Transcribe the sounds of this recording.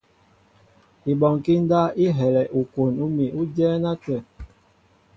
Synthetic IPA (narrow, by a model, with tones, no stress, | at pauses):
i˨ɓɔ˨ŋ˨ki˦n˦da˦i˦ɦɛ˨lɛ˨ʔu˨ko˨nu˦mi˨ʔu˦d͡ʒɛː˦na˦tɛ˨